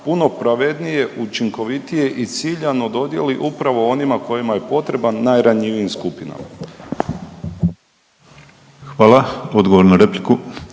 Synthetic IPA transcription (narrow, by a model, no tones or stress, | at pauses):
puno̞pɾaʋe̞d̪nije̞ʔut͡ʃiŋko̞ʋit̪ije̞ʔit̪siːʎanod̪o̞d̪je̞̰liʔupɾaʋo̞o̞nimako̞jimaje̞po̞t̪ɾe̞banːajɾaɲiʋiːmskupina̰ma | xʋaːlao̞d̪ɡoʋoɾnaɾepliku